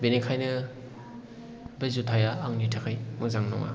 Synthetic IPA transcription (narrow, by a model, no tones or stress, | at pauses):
benekʰajnɯ | bezutʰajaːŋnitʰakʰajmɯzaŋnɔ̰ŋa̰